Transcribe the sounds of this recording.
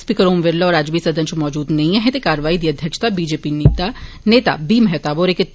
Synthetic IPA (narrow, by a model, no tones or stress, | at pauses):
spiːkəɾoːmʋeɾlɔːɾaːd͡ʒbʱisɐd̪ʱə̃nt͡ʃmɔːd͡ʒuːd̪nɐɦĩɛ̃ɦɛ̃t̪ekaːɾəʋaːid̪iːɐd̪ʱjəkʃt̪abiːd͡ʒeːpint̪a | neːt̪a̰bimɦɛt̪aʋɔːɾeke